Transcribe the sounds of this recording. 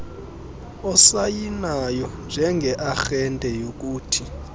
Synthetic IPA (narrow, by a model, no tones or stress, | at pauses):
ɔsajinajɔnd͡ʒʱɛŋɡʱɛʔaxɛntʼɛjok̬uːtʰi